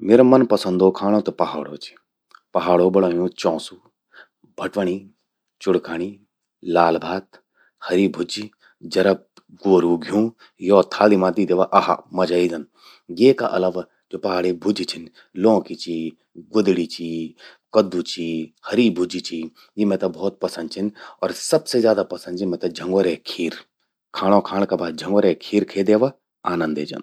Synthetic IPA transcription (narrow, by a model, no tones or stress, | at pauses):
meːɾomɐnpɐsə̃nd̪oːkʰaːɽ̃ot̪opɐɦaːɽo̰ːt͡ʃʰi̥ | pɐɦaːɽoːbɐɽaːjõːt͡ʃɔ̃ːsu | bʱɐʈʋəɳ̃iː | t͡ʃʊɽkaːɽ̃iː | laːlbʱaːt̪ | hɐɾiːbʱʊd͡ʒi | d͡ʒɐɾɐb̚ | ɡoːɾuːɡʱjũː | jɔːt̪ʰaːlimãːd̪id̪eːʋaːʔɐɦa̰mɐd͡ʒaːiːd̪ɐn | ɡeːka̰ʔɐ̰lɐʋ | d͡ʒoːpɐɦaːɽibʱʊd͡ʒit͡ʃʰɪn | lõːkit͡ʃi | ɡʊd̪ɽit͡ʃʰi | kɐd̪ːut͡ʃʰihɐɾibʱʊd͡ʒit͡ʃʰi | jimɛ̃ːt̪ɐbɔːt̪̚pɐsənd̪t͡ʃʰinɔːɾsɐbsezjaːd̪apɐsənd̪t͡ʃʰimɛ̃ːt̪ɐd͡ʒʱɐ̃ŋɡʋəɾeːkʰiːɾ | kʰaːɽ̃õkʰaːɽ̃kabaːd̪̚d͡ʒʱɐ̃ŋɡʋəɾekʰiːɾkʰeːd̪eːʋa | aːnə̃nd̪eːd͡ʒɐ̰n